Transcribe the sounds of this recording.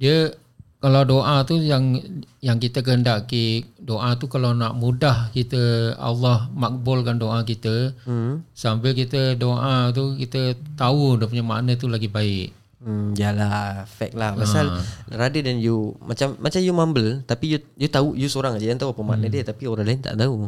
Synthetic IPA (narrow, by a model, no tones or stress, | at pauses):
diə | kalawdoʔat̪ujaŋjaŋkit̪ək̬əɦəndaʔkidoʔat̪ukalawnaʔmudahkit̪əa̰lːɑhmak̚bʊlkandoʔakit̪ə | səambɪlkit̪ədoʔat̪̬ukit̪ət̪audəp̬uɲama̰ʔnət̪̬ulaɡibaɪʔ̩ | d͡ʒalahfɛ̰k̚lahpaalɾadədanjumat͡ʃamːat͡ʃamjumambəlt̪apiju | jut̪aujusoɾaŋad͡ʒəjant̪auapəma̰ʔnədiət̪apioɾãlaɪnt̪a̰ʔt̪au